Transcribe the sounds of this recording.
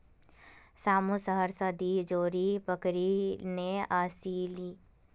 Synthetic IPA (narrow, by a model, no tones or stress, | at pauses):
saːmusəɦəɾsəd̪id͡ʒoːɾibəkɾineaːsiliː